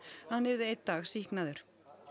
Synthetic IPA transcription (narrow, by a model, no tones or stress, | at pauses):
hanːɛɾðɪejt̪̚t̪ːaːɣsihknaðʏɾ̥